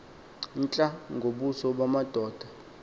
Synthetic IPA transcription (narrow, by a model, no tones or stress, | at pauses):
n̩t͡ɬʼaŋɡʱoɓusɔɓwamad̥ʱɔːd̥ʱa